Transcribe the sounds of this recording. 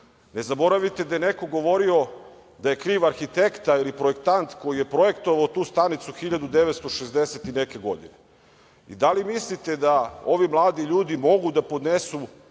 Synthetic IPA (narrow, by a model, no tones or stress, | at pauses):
ne̞zabo̞ɾaʋit̪e̞d̪ajeneko̞ɡo̞ʋo̞ɾio̞ | d̪aje̞kɾiːʋaɾxit̪e̞kt̪ailipɾoekt̪ant̪ko̞jije̞pɾo̞e̞kt̪o̞ʋaot̪uːst̪anit̪suxiʎad̪ud̪eʋet̪st̪o̞ʃezd̪eset̪ineke̞ɡo̞d̪ine | ḭd̪alimislit̪e̞d̪ao̞ʋimlˠaːd̪iʎuːd̪imo̞ɡud̪apo̞d̪nesu